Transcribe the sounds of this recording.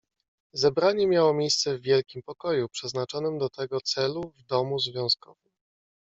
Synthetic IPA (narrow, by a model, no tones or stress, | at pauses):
zɛbɾaɲɛmʲjawɔmʲjejst̪sɛvːʲjɛlkʲimpɔkɔjupʂɛznat͡ʂɔnɘmd̪ɔt̪ɛɡɔt̪sɛluvd̪ɔmuzvʲjɔ̃w̃skɔ̰vɘm